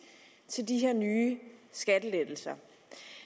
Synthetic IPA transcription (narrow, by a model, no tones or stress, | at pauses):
t͡sʰe̝ldiɦeɐ̰nyːsɡ̥æd̥əled̥l̩sɐ